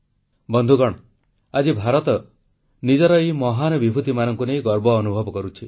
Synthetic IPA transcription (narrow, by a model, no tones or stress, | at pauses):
bɔnd̪ʱuɡɔɽ̃ɔ | ad͡ʒibʱaɾɔt̪ɔ | nid͡ʒɔɾɔimɔɦanɔbibʱut̪imanɔŋkunejɡɔɾbɔːnubʱɔbɔkɔɾut͡ʃʰi